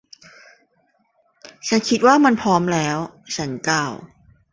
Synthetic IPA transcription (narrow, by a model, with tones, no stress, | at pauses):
t͡ɕʰa˦˥nkʰi˦˥t̪̚waː˥˩ma˧npʰɔː˦˥mlɛː˦˥wt͡ɕʰa˦˥nkaː˧˥˩w